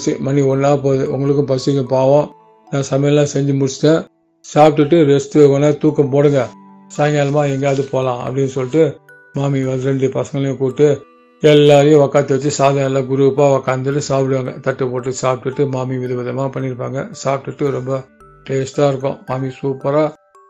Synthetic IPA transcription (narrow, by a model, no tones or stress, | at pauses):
t͡ʃːimɐnːiɔnːaːpoːðɯʊ̰ŋɡɐɭɯk̬ːɯ̃pɐsɪkːɐ̃paːʋõː | nãːsɐmɐjɐlãːsɛɲd͡ʒɯmʊɽɪt͡ʃːɪ̥t̪ːɛ̃ː | saːp̚ʈɯʈːɯɾɛst̪ɯʋekonaːt̪uːkːɐpoːɽɯŋɡɐ | saːŋɡaːlɐmaːɛŋɡɐɐðɯpoːlãːɐ̰pːɐɽɪnːɯsɔlːɪʈːɯ | maːmiʋɐnɯɾɛɳɖɯpɐsɐ̃ŋɡɐɭɐjɐ̃kuːʈːɯ | ɛlːaːɾɐjʊ̃ʋɐkaːt̪ːɯʋɐt͡ʃːɯsaːðɐnːlːãːɡʊɾuʋpaːʋɐkaːnd̪ɯʈːɯsaːpɪɽɯʋaːŋɡɐ̰t̪ɐʈːɯpoːʈːɯsaːp̚ʈɯʈːɯmaːmiʋɪðɐʋɐðɐmaːpɐɳːɪɾɯpːa̰ːŋɡɐ̰saːp̚ʈɯʈːɯɾɔmbɐ | ʈeːsʈaːɪɾɯk̬ːʊ̰̃maːmisuːpɐɾaː